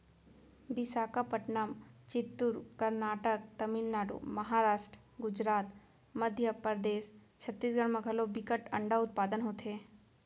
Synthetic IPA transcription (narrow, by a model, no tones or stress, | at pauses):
bɪsaːkapəʈnamt͡ʃɪt̪ːuɾkəɾnaːʈəkt̪ɐmilnaːɽṵmɐɦaːɾaːʃʈɾ | ɡʊd͡ʒɾaːt̪ | məd̪ʱjəpəɾd̪eːs | t͡ʃʰɐt̪ːiːsɡʱəɽ̃mãɡʱɐlobɪkəʈɐɳɖaʊt̪̚paːd̪ənɦoːt̪ɦeː